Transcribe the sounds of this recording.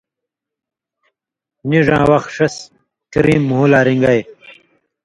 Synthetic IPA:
niʐãːwɐxʂɐs | t̪iɾiːmːuɦulaːɾiŋɡaj

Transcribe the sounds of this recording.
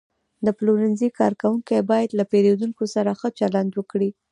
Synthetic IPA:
d̪əpluɾɪnzikɑɾkawuŋkajebɑjad̪lapeɾed̪uŋkosaɾaxət͡ʃaland̪wəkɽi

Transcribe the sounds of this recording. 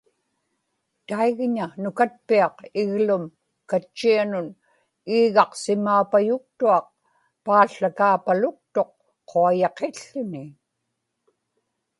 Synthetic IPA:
t̪aiɣɲanʊkat̪̚piɑqɪɣlʊm | kat͡ʃːianʊn | iːɣɑqsɪmːaːpajʊk̚t̪uɑq̚ | paːɬakaːpalʊk̚t̪oq̚ʰː | oajɑqeɬːʊnɪ

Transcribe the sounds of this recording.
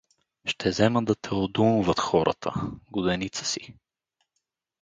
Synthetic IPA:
ʃt̪ʰɛzɛməd̪ɐt̪ʰɛod̪umʊvɐt̪xɔɾʔə̰t̪ʰə̰ɡʊd̪ɛnit̪sə̥si

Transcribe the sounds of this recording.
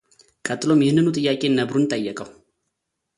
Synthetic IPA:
kʼət̪ʼːɨlo̞mjɪhnːɨnut̪ʼɨjːakʼe̞nːəbɾunt̪ʼəjːɛkʼəw

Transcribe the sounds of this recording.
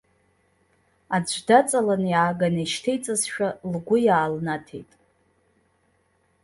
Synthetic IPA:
ad͡ʒʷdat͡sʼalanjaːɡaneʃtʰejt͡sʼazʃᶣalɡʷʊjaːlnatʰe̞̰jtʼ

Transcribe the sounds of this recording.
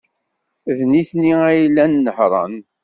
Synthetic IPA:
ðniθniæjlːænːəħɾˤɑ̰n

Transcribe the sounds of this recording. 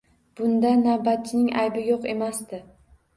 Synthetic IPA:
b̥ʊnd̪anawbat̪̚t͡ʃʰɪnɪŋajbɪjoqe̞masd̪ɪ

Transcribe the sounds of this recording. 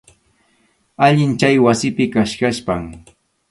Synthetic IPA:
aʎɪnt͡ʃajwasɪpɪkaʃkaʃpaŋ

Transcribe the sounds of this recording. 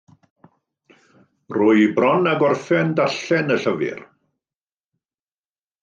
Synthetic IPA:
rʊɨbrɔnaɡɔrfɛndaɬɛnəɬəvɪ̰r

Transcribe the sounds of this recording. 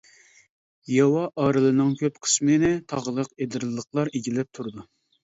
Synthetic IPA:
jɑwɑʔɑːɾɨlˠɨnɨŋkʲʰøpqʰə̥smɨnɪt̪ʰɑʁlˠəqed̪ɨɾllːəχlˠɑɾeɡʲilɛp̚t̪ʰuɾɨd̪u

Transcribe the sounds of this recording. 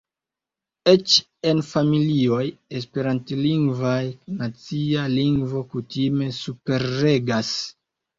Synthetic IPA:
e̞t͡ʃ | e̞nfamilio̞jes̬pe̞ɾantliŋɡvajnat͡sialiŋɡvo̞kutime̞supe̞ɾːe̞ɡas

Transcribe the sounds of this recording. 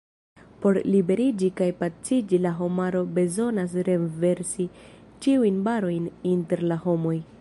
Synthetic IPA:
po̞ɾlibe̞ɾid͡ʒikajpat͡sid͡ʒilaɦo̞maɾo̞be̞zo̞nas̬ɾe̞nve̞ɾsi | t͡ʃiujnbaɾo̞jninte̞ɾlaho̞mo̞j

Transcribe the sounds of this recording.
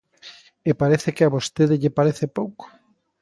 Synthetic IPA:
epaɾeθekɪaβost̪eðɪʎɪpaɾeθepowko̥

